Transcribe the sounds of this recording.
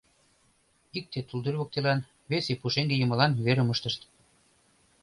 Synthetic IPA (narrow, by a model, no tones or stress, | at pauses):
ik̚t̪et̪uld̪ørʲβok̚t̪elɑn | βesepuʃeŋɡejə̆mə̆lɑnβeɾə̆məʃt̪ə̆ʃt̪